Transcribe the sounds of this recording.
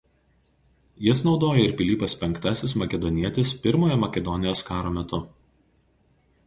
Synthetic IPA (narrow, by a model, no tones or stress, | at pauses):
jɪsnɒʊd̪oːjɛɪɾpʲɪlʲiːpɐspʲɛŋkt̪ɑsʲɪsmɐkʲɛd̪ɔnʲiɛt̪ʲɪspʲɪɾmoːjɛmɐkʲɛd̪ɔnʲɪjoːskɑːɾoːmʲɛt̪ʊ